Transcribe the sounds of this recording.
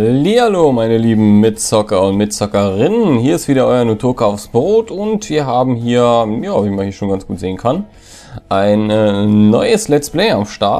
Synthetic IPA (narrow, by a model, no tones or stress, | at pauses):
lialoːmaɪnəliːbm̩mɪtt͡sɔkɐʊntmɪtt͡sɔkɐʁɪnənhiːɐɪstv̥iːdɐʔɔʏɐnotʰoːkaʊfsb̥ʁoːtʰʊntv̥iːɐɦaːbm̩ɦiːɐjaːɔpɪçmanhiːɐʃoːnɡansɡ̥uːtz̥eːənkʰan | ʔaɪnːɔ̰ʏəslɛtt͡splɛɪamʃta̰ɐ